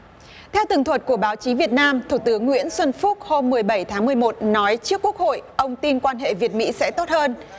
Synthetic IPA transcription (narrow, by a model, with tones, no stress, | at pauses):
t̪ʰɛ˧wt̪ɨ̰˨˧˩ŋt̪ʰwə˨˩t̚ku˧˩əɓaː˨˦wt͡ɕi˨˦vi˨˩ət̚naː˧mt̪ʰu˧˩t̪ɨ˨˦əŋːwḭ˧˥ənswə˧nfu˦˥t̚ho˧mːɨ˨˩əjɓə˧˩jt̪ʰaː˨˦ŋmɨ˨˩əjmo˨˩t̚nɔ˨˦jt͡ɕɨ˦˥əkːu˦˥ək̚ho̰˧˨jʔə˧wŋ͡mt̪i˧nkwaː˧nhɦḛ˧˨vi˨˩ət̚mḭ˧˥sɛ̰˧˥t̪o˦˥t̚həː˧n